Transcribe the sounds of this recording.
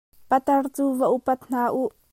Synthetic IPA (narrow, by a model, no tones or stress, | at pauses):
pɐt̪ɐrt͡suːvɐʔupɐt̪̚n̥aːʔuʔ